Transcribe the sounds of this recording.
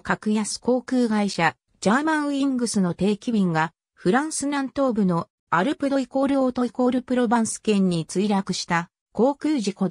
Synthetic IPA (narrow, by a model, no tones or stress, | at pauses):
kakɯ̟jasɨ̥ko̞ːkɯ̟ːɡaiɕa | d͡ʑaːmãɰ̃ĩŋɡɯ̟sɨno̞t̪e̞ːkʲibʲĩŋɡa | ɸɯ̟ɾãɰ̃sɨɾãnt̪o̞ːbɯ̟no̞ | aɾɯ̟pɯ̟d̪o̞iko̞ɾɯ̟ot̪o̞iko̞ɾɯ̟pɯ̟ɾo̞bãɰ̃sɨ̥kẽ̞ɲ̟ːit͡sɨiɾakɯ̟ɕi̥t̪a | ko̞ːkɯ̟ːʑiko̞d̪